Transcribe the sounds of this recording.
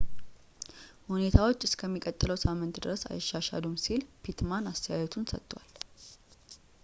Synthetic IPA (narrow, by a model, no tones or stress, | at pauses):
hune̞t̪ʰawo̞t͡ʃːɪskʰəmːikʼət̪ʼːɨləwsamːɨnt̪d̪ɨɾəsa̰jɛʃːaʃa̰lumsilpʰit̪manast̪ʰəjajɛt̪ʰunsə̰t̪ːwal